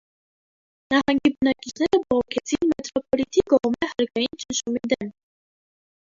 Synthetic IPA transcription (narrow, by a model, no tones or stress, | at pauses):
nɑhɑŋɡibənɑkit͡ʃʰnɛɾəbɔʁɔkʰɛt͡sʰinmɛt̪ɾɔpɔlit̪ʰikɔʁmɛhɑɾkɑjint͡ʃənʃumid̪ɛm